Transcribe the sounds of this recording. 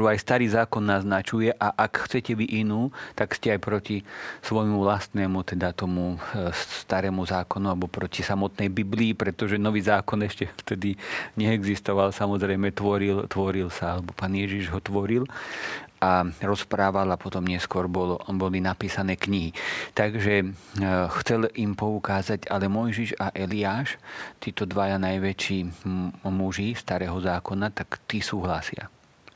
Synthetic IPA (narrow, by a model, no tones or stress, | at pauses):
uajst̪aɾiːzaːkɔnːaznat͡ʃujɛʔaʔakxt͡sɛcɛʋiʔinuːt̪akscɛajpɾɔcisʋɔjmuvlast̪nɛːmut̪ɛd̪at̪ɔmust̪aɾɛːmuzaːkɔnualɛbɔpɾɔcisamɔt̪nɛjbibliːpɾɛt̪ɔʒɛnɔʋiːzaːkɔnɛʃcɛft̪ɛd̪iɲɛːɡzist̪ɔʋalsamɔzɾɛjmɛt̪ʋɔɾilt̪ʋɔɾilsaalɛbɔpaːnɪjɛʒiʒɦɔt̪ʋɔɾil | ʔaɾɔspɾaːʋalapɔt̪ɔmɲɛskwɔɾbɔlbɔlinapiːsanɛːkɲiɦit̪aɡʒɛ | xt͡sɛlimpɔukaːzaɟalɛmɔjʒiʒaʔɛliaːʃt̪iːt̪ɔd̪ʋajanajʋɛt͡ʃiː | muʒist̪aɾɛːɦɔzaːkɔnat̪akt̪isuːɦlasɪa̰